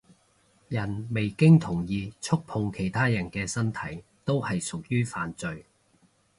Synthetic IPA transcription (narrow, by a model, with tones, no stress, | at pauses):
jɐ˨˩nme˨jkɪ˥ŋt̪ʰʊ˨˩ŋjiː˨˧t͡sʰʊ˥k̚pʰʊ˧ŋkʰe˨˩jt̪ʰaː˥jɐ˨˩nkɛː˧sɐ˥nt̪ʰɐ˨˥jt̪o˥whɐ˨jsʊ˨k̚jyː˥faː˨nt͡sɵ˨˧ɥ